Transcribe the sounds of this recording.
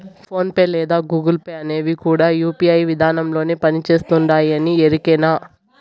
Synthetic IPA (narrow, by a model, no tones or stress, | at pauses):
pʰo̞ːnpeːlɛːd̪aːɡuːɡɐlpɐjɐneːʋikuːɽaːjuːpiɐjʋid̪ʱaːnɐmlo̞ːniːpɐnit͡ʃe̞ːst̪uɳɖaːjɐnieɾikɛːnaː